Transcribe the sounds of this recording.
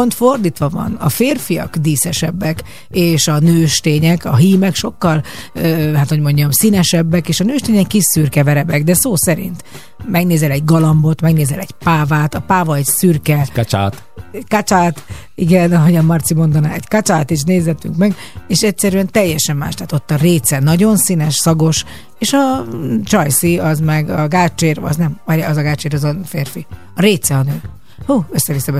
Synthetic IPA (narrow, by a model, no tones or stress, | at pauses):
ont̪fo̞rd̪iːt̪ʋɒvɒ̰nɒfeːrfijɒ̰kd̪iːsɛʃɛbːɛk | eːʃɒnøːʃt̪eːɲɛkɒɦiːmɛkʃo̞kːɒløhaːt̪ho̞ɟmo̞ɲɟɒmsinɛʃɛbːɛkeːʃɒnøːʃt̪eːɲɛkːiʃyrkɛvɛɾɛbɛɡd̪ɛsoːsɛɾḭnt̪ | mɛɡneːzɛlɛɟɡɒlɒmbo̞t̪mɛɡneːzɛlɛɟpaːvaːt̪ɒpaːvɒɛcsyrkɛkat͡ʃa̰t̪ | ɛkat͡ʃaːt̪ | iɡɛnɒɦoɟɒmːɒrt̪simo̞nd̪ɒnaːɛɟkat͡ʃaːt̪eːʃ̬neːzɛt̪ːy̰ŋkmɛɡ | eːʃɛcsɛɾyɛnt̪ɛjːɛʃɛmːa̰ːʃt̪aːt̪o̞t̪ːɒreːt̪sɛnɒɟo̞nsinɛʃsɒɡo̞ʃ | eːʃɒt͡ʃɒjsiɒzmɛɡɒɡaːt͡ʃeːrɒ̰znɛmɒɒzɒɡaːt͡ʃeːɾɒzɒfeːrfi | ɒɾeːt̪sɛɒnøː | huːøsːɛvisːɛbɛ